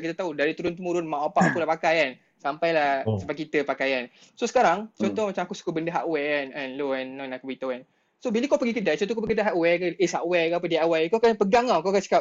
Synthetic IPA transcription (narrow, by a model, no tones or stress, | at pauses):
kit̪at̪audaɾit̪uɾʊnt̪̬əmuɾʊnmãʔapaʔakulapakajan | sampajlahsəbaʔ̪kit̪əpakajan | sosə̥kaɾaŋt͡ʃɔnt̪ɔhmat͡ʃamakusu̥kubəndəɦaʔwɛkananloɛnːɔ̃nakubit̪awan | sobiləkawpəɡikədat͡ʃɔnt̪ɔkopəɡikədaʔɦaʔwɛkaʔeshaʔwɛkaap̬ədiaʔawajkakanpəɡaŋawkaakansə̥kap̚